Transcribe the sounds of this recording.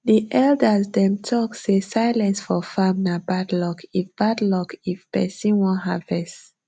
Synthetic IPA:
ðiʔɛldəzdɛ̃mtʰɔksesaɪlɛ̃nsfɔfãmnabadlɔkʰifb̥adlɔkifpɛsĩnwɔ̃ɦavɛs

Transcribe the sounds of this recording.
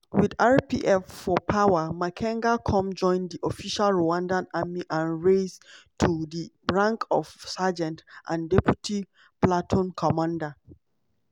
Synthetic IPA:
widaɹpḭʔɛfːɔpʰawamakʰɛ̃ŋɡakʰɔ̃md͡ʒɔ̃ɪ̃ndiʔofiʃalɹoãndãnamiʔãnɹeztʰudi | ɹãŋkʰɔvsad͡ʒɛ̃ntʔã̰ndɛpjutʰi | platʰɔ̃nkʰɔmãnda

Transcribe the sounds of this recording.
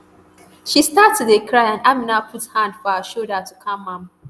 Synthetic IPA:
ʃistatːudekʰɹaɪãnaminapʰuthãndfɔəʃodatukʰãmːãm

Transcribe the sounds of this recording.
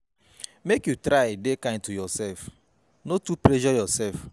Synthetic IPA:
mekjutɾaedekãɪ̃ntujɔsɛlf | notuplɛʒɔjɔsɛlf

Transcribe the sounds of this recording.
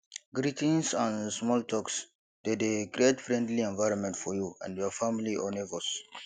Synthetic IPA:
ɡɾitĩnsãnsmɔltʰɔks | d̥edeɡɾietfɹɛ̃ndliɛ̃nvaɪɾɔ̃nmɛ̃ntfɔjuã̰ndjɔfamiliʔɔnɛvos

